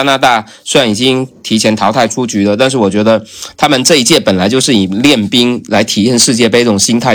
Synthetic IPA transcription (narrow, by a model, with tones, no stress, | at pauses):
a˥na˧˥t̪a˥˩ | sɪɻa˧˩ni˨˩t͡ɕi˥ŋt̪ʰi˧˥t͡ɕʰjɛ˧˥nt̪ʰɑ˧˥ʊa˥˩ɪʈ͡ʂʰu˥t͡ɕy˧˥d̪ə˨˧t̪a˥˧nʂ̬ɻ̩˥˩wɔ˨˩t͡ɕɥɛ˧˥d̪ə˧t̪ʰa˥mə˨nʈ͡ʂɤ˥˧i˥t͡ɕjɛ˥˩pə˨˩nla˧˥ɪt͡ɕjo˥˧ʊʂ̬ɻ̩˥˩i˨˩ljɛ˥˩npi˥ŋla˧˥ɪt̪ʰi˧˥ə˥˧nʂɻ̩˥˧t͡ɕjɛ˥˩pe˥˧ɪ˥˩ʊ˨˩ɕi˥nt̪ʰa˥˩ɪ